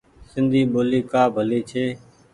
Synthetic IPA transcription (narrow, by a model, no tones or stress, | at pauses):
sɪnd̪ʱiːɓoːliːkaːbʱəliːt͡ʃʰeː